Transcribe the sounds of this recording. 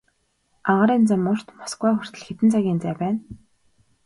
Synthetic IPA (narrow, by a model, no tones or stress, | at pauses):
aʁăɾiːnt͡samːʊr̥t̪mḁsɡwæːχʊr̥t̪ɘ̆ɮxet̪ɘ̆nt͡sʰaɣʲiːnt͡sæːpæːn